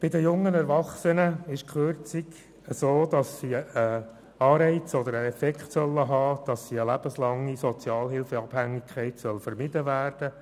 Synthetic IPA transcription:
b̥ɪd̪əjʊŋːənɛɾʋɑχsənəɪʃkχøɾt͡siɡ | əsoːd̥̪ɑsːiə | ɑːɾɛɪt͡sɔd̪əɾəɛfɛkχtsœlːəɦɑːd̥ɑsːiəlæb̥əslɑŋːisɔt͡sjɑːlhɪlfəɑb̥hæŋːikʰχɛɪtsœlfəɾmɪdəvæːrd̥ə

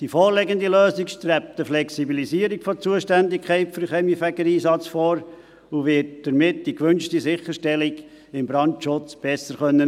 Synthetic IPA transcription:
d̥ifɔːɾlɛɡənd̪iløːsikʃt̪ɾæp̚t̪əflɛksibilisiəɾikfɔt͡suəʃtændɪkʰχɛɪtfyɾχɛmifæɡəɾiːsɑt͡sfɔːɾ | uʋɪt̚d̥əɾmɪt̚d̥ikʋʏnʃtisɪχəɾʃtɛlɪɡ | ɪmbɾɑntʃʊt͡sb̥ɛsəɾχœnːə

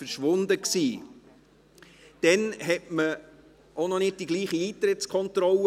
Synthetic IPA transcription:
fəɾʃʋʊnd̪əksiː | d̥ɛnɦɛtmə | onɔnɪd̚d̥iɡliːχiiːt̪ɾɪtt͡skʰɔnt̪ɾɔlə

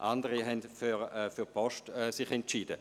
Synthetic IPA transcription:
ʔandəʁiɦɛndfyʁɛfyʁpʰɔʃtɛsɪχɛntt͡ʃiːdə

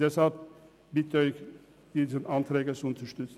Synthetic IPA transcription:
d̥ɛshalp̚ | b̥ɪtəɔʏç | d̥iːzənʔantʁɛːɡət͡suʊntɐəʃtʏt͡s

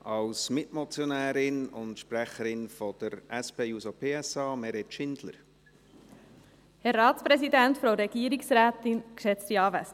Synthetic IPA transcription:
ɑlsmɪtmɔt͡sjonæːɾɪnʊntʃpræχəɾɪnfɔd̥̪əɾɛspeːusopʰeːɛsɑːmɛɾɛtʃɪnd̥̪lə̰ɾ | hɛɾːɑːtt͡spɾɛsidæntfɾoʊɾɛɡ̥iːəɾiksɾæːtɪnkʃɛt͡stiɑːvæs

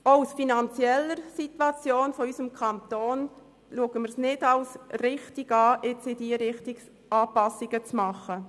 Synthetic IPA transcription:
aʊsfinɑnt͡sjɛlːəɾsit̪wɑt͡sjoːnfɔysəmkʰɑnt̪oːn | luəɡəmɪɾsnɪdɑʊsrɪχtɪɡɑːʔɪt͡sɪdiːɾɪχtɪk | ʔɑːpɑsːɪɡət͡smɑχə

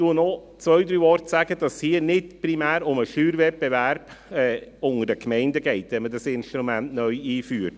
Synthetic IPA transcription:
tuənɔt͡svœʏdɾyːɔɾtsæɡəd̥ɑshiːənɪtpɾimæːɾʊməʃyːɾvɛt̚bevæɾb̥ɛːʊŋəɾdəkʰmɛɪndəɡɛɪtʋɛnmədɑsɪnʃtɾumɛntnœʏiːfyːɾt̚

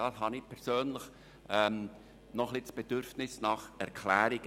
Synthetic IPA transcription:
ɑshɑnɪpʰɛɾz̥øːnləχ | ʔɛm | nɔχlɪtsb̥ɛd̥ʏɾfnɪsnɑχɛɾkʰlæːɾɪɡ

